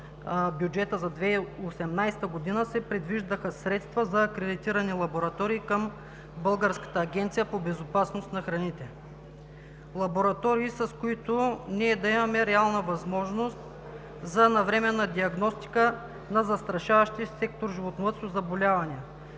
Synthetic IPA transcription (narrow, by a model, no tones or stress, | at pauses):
bjud͡ʒɛt̪əzɐd̪vɛosɛmnajst̪əɡod̪inəsɛpɾɛd̪viʒd̪əxəsɾɛt̪st̪vɐzɐːkɾɛd̪it̪iɾɐnilˠɐboɾɐt̪ɔɾiːkəm | bɤlˠɡəɾskə̥t̪əːɡʲɛnt̪sijəpobɛzopasnost̪nɐxɾɐnit̪ɛ | lˠɐboɾɐt̪ɔɾiːsɐskoit̪ʊniɛd̪ɐimɐmɛɾɛalˠnəvɐzmɔʒnost̪ | zɐnɐvɾɛmɛnːɐd̪iɐɡnɔst̪i̥kə | nɐzɐst̪ɾɐʃavɐʃt̪isɛk̚t̪oɾʒivot̪novət̪sozɐbolʲavɐniə